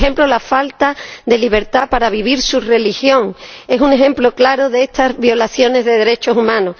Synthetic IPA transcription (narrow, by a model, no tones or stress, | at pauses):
ẽ̞mplolafalt̪aðe̞liβ̞e̞ɾt̪apaɾaβiβ̞iɾsure̞lixjõ̞ŋe̞sune̞xẽ̞mplo̞klaɾo̞ðeest̪azβjo̞laθjo̞ne̞zðe̞ð̞e̞ɾe̞t͡ʃo̞sumãno